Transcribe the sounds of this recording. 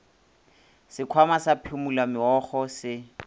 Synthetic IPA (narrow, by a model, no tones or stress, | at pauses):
sɪkʰwamasapʰɪmulamɪɔχɔsɪ